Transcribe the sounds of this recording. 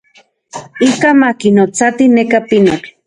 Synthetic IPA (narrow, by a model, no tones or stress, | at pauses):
ikamakinot͡sat̪inekapinok